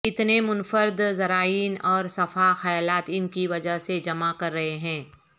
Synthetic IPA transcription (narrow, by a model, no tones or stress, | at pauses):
ɪt̪nemʊnfəɾd̪zɐɾaːiːnɔːɾsɐfaxɐjaːlaːt̪ɪnkiʋɐd͡ʒəɦsed͡ʒɐmakɐɾːɐɦeɦɛ̃ː